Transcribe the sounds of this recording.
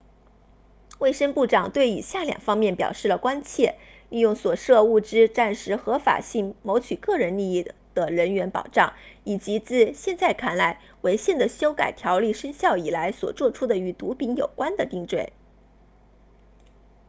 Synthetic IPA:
we˥˩ɪʂə˥ŋpu˥˩ʈ͡ʂɑ˨˩ŋt̪we˥˩ɪḭ˨˩ɕja˥˩ljɑ̰˨˩ŋfɑ˥ŋmjɛ˥˩npjɑ̰˨˩ʊʂɻ̩˥˩lə˩kwa˥nt͡ɕʰjɛ˥˧ | li˥˧jʊ˥˩ŋswɔ˨˩ʂɤ˥˧u˥˩ʈ͡ʂɻ̩˥ʈ͡ʂa˥˩nʂɻ̩˧˥xɤ˧˥fa̰˨˩ɕi˥˩ŋmo˧˥ʊt͡ɕʰy˨˩kɤ˥˩ɻə˧˥nli˥˧i˥˩ | d̪̥ə˩ɻə˧˥nɥɛ˧˥npɑ̰˨˩ʊʈ͡ʂɑ˥˩ŋi˨˩t͡ɕi˧˥t͡sɹ̩˥˧ɕjɛ˥˧nt͡sa˥˩ɪkʰa˥˩nla˧˥ɪ | we˧˥ɪɕjɛ˥˩nd̪ə˩ɕjo˥ʊka̰˨˩ɪt̪ʰjɑ˧˥ʊli˥˩ʂə˥ŋɕjɑ˥˩ʊi˨˩la˧˥ɪswɔ̰˨˩t͡swɔ˥˧ʈ͡ʂʰu˥d̪ə˨y˧˥t̪u˧˥pi˧˥ŋjo̰˨˩ʊkwa˥nd̪ə˨t̪i˥˧ŋt͡swe˥˩ɪ

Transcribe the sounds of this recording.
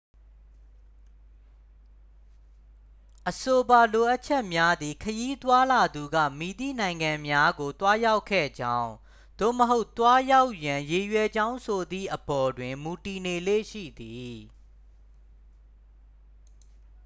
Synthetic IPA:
ʔəso˨ba˨lo˨ʔa˦ʔt͡ɕʰɛ˦ʔmja˦d̪ði˨kʰəji˦t̪wa˦la˨d̪u˨ɡä̰˦˨mi˨d̪ḭ˦˨nã˨ɪ̃ŋɡã˨mja˦ɡo˨t̪wa˦ja˦ʊkʰɛ̰˦˨d͡ʑã˦ʊ̃ | d̪̥o̰˦˨məɦo˦ʊt̪wa˦ja˦ʊʔjã˨je˨jwɛ˨d͡ʑã˦ʊ̃sʰo˨d̪ðḭ˦˨ʔəbɔ˨dwɪ̃˨mu˨ti˨ne˨lḛ˦˨ʃḭ˦˨d̪i˨

